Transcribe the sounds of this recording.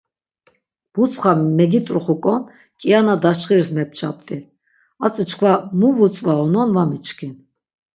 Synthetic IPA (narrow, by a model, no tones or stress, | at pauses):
b̥ut͡sʼχamɛɡit̪ʼɾuχukʼɔn | kʼianad̪at͡ʃχiɾsmɛp̚t͡ʃʰapʼt̪ʼi | at͡sʼət͡ʃkʰvamuvut͡sʼvaɔnɔnvamit͡ʃʰkʰin